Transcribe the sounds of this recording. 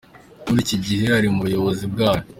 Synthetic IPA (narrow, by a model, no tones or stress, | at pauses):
muɾiːciɟihe̞haɾimuβujo̞βo̞zib̚ɡaːno